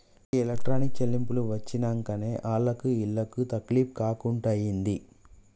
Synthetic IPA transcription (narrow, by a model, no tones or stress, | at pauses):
elɐk̚ʈɾaːnik̚t͡ʃɐlːimpuluʋɐt͡ʃːinɐŋkɐne̞ːʔaːɭːɐkuiɭːɐkut̪ɐkliːp̚kaːkuɳʈaːjind̪i